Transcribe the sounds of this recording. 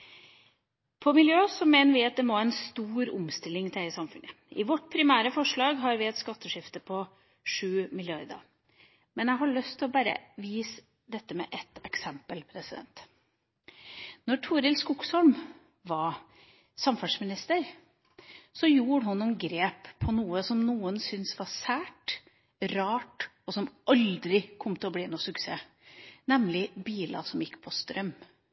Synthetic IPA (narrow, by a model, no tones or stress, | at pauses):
pʰɔmɪljøːsɔmeːnəɾʋɪɑt̪̚d̪ɛmɔɪnst̪uːɾʊ̰mst̪ɪlːɪŋt̪ʰɪæɪsɑmfʉnʔə | ɪʋɔʈːpʰɾɪmæːɾəfɔʂɭɑːɡɦɑɾʋɪɛt̪skɑt̪ʰːəʂɪft̪əpʰɔ | ʂʉːmɪljɑɾd̪ɑ̰ | mɛnjæɪɦɑɭœst̪ʰːɪlɔbæːɾə̰ʋiːs | d̪ɛt̪ːəmɛ̰ʔɛt̪ːɛksɛmpəlpʰɾɛsɪd̪ɛ̰nt̪ | nɔʈʰuːɾɪlskʊksɔlm | ʋɑ | sɑmfɑsmɪnɪst̪əɾ | sɔjuːɽəhʊnːunɡɾeːpʰːɔnuːəsɔmnuːənsʏnsʋɑsæːʈ | ɾɑːʈ | ɔsɔmʔɑld̪ɾɪkʰɔmt̪ʰɪlɔbliːnuːsʉkseː | nɛmlɪbiːlɑ̰sɔmjɪkːpʰɔst̪ɾœm